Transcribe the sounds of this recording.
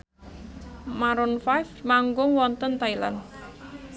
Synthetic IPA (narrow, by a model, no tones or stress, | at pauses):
maɾɔnfajfmaŋɡʊŋwɔnt̪ənt̪aila̰n